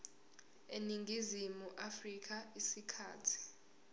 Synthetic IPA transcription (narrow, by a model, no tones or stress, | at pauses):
eniŋɡʱizimuʔafrik̬ʰʼaisikʰa̰ːtʰi̥